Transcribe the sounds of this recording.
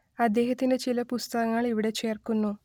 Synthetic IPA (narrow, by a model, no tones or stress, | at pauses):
ɐd̪ːeːɦɐt̪ːinɨt͡ʃilɐpust̪ɐɡɐŋːɐɭiʋiɽeːt͡ʃe̞ːrkunːu